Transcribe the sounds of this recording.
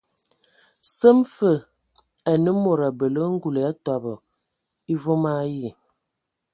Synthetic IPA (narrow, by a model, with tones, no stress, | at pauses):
sə˦mfə˨ | a˨nə˦mo˨ɾa˨bə˨lə˦ŋ̩˦ɡu˨le˨a˦twa˨bɔ˨ | i˦vo˦ma˦ji˦˨